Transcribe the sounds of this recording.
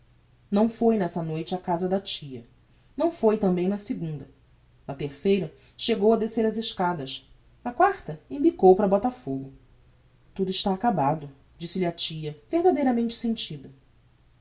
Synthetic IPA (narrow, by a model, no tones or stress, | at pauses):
nɐ̃w̃fojnɛsɐnojt͡ʃɪɐkazɐd̪ɐt͡ʃijɐ | nɐ̃w̃fojt̪ɐ̃mbẽj̃nɐsɪɡũnd̪ɐ | nɐt̪eχsejɾɐ | ʃeɡowɐd̪eseɾɐzɪʃkad̪ɐʃ | ɐkwaχt̪ɐĩmbikowpɾɐbɔt̪ɐfoɡʊ | t̪ud̪ʊiʃt̪aːkabad̪ʊ | d͡ʒisɪlɪɐt͡ʃiɐvehd̪ad̪ejɾɐmẽnt͡ʃɪ̥sẽt͡ʃid̪ɐ